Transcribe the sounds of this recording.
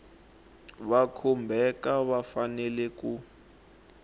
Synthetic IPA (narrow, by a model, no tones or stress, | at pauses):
βakʰɔmbʱɛkaβafanɛlɛku